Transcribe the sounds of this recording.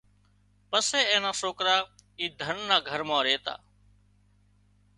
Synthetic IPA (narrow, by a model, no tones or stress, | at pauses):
pəseːẽːnaːsoːkɾaːiːd̪ʱənːaːɡʱəɾmãːɾeːt̪a̰ː